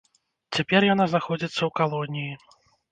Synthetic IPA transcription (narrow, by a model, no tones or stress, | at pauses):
t͡sʲapʲɛrjan̪aznaxɔd͡zʲit̪sːɐwkalˠɔnʲiji